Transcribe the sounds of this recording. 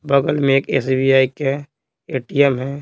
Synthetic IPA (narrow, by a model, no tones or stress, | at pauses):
bɐɡəlmẽeːkḛːsibijaːike | eːʈiɛmɦɛː